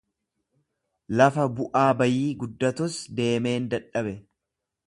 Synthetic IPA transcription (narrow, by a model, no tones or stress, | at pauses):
lɐfɐbʊʔaːbɐjiːɡʊd̪ːɐt̪ʊsd̪e̞ːme̞ːnd̪ɐᶑɐbɛ